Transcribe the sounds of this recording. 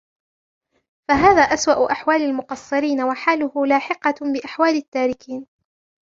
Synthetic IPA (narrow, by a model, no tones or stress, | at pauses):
faɦaːðaːʔaswaʔʊʔaħwaːlalmʊqɑsˤːɨɾiːnawaħaːlʊhʊlaːħɪqɑbɪʔaħwaːlat̪ːaːɾɪkiːn